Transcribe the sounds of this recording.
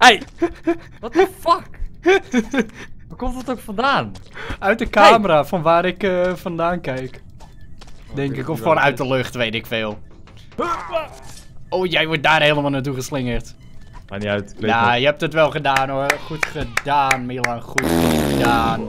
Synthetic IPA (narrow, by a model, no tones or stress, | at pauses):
ej | fɔk | əkomtətokfɔndaːnœɥt̚dəkaːməɾafɔnʋaːɾɪkfɔndaːnkɛjk | dɛŋkɪkɔfoːnœɥt̚dəløxtʋeːtɪkfɪːlˠ | oːjɛjʋɔt̚daːrheːlˠəmalˠnaːt̬uɣəslɪŋərt | aniatjajəhɛp̚tətʋɛlˠχədaːnoχutχədaːnmiəlˠaχutədaːn